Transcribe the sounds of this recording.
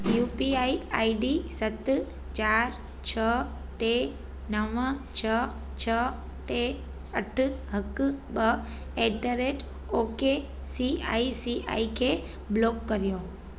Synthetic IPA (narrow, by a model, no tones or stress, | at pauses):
jupiaia̰iɖisət̪ | t͡ʃaɾ | t͡ʃʰəʈe | nəʋə̃t͡ʃʰə | t͡ʃʰə | ʈe | əʈʰɦəkːbə | et̪əɾeʈ | oke | sia̰isia̰ikʰe | blokːəɾjo